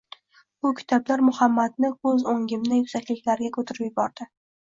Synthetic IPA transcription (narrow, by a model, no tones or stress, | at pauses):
bʊkʲʰɪ̥t̪ʰɒblaɾmʊhamːad̪̚nɪɵzoŋɡʲɪmnɪjʊzakʲlɪkʲlaɾɡʲakʰɵt̪ʰɪɾɪpjʊbɒɾd̪̥ɪ